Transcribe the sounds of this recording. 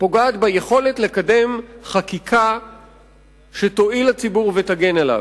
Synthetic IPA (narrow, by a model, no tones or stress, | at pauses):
po̞ɡaːt̪bajeχo̞le̞tle̞kade̞mχakikʰa | ʃet̪o̞ilhat͡sibuʁvetaɡe̞nala̰v